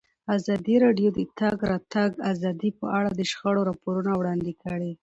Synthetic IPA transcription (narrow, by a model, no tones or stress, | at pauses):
azɑd̪iɾɑɖjod̪ət̪ɑɡɾɑt̪aɡazɑd̪ipə̰ʔaɽad̪əʃxaɽoɾɑpoɾunawɽɑnd̪ikəɽi